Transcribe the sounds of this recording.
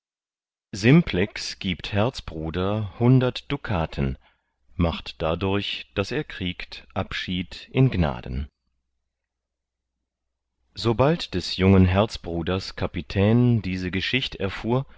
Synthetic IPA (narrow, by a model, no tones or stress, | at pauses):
zɪmpʰlɛksɡ̥iːpthɛɐt͡sb̥ʁuːdɐhʊndɐtd̥ukʰaːtʰən | maχtd̥adʊɐçd̥aseːɐkʁ̥iːktʔapʃiːtʔɪnɡna̰ːdən̩ | zobaltd̥ɛsjʊŋənɦɛɐt͡sb̥ʁuːdɐskʰapitʰɛːndiːzəɡəʃɪçtɛɐfuːɐ